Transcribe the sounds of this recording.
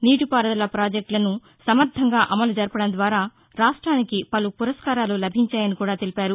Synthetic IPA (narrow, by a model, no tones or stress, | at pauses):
niːʈupaːɾɐd̪ɐlɐpɾaːd͡ʒek̚ʈlɐnu | sɐmɐɾt̪ʰɐŋɡaːʔɐmɐlud͡ʒɐɾpɐɽɐnd̪ʋaːɾaː | ɾaːʂʈɾaːnikipɐlupuɾɐskaːɾaːlulɐbʱiɲt͡ʃaːjɐnikuːɽaːt̪elipaːɾu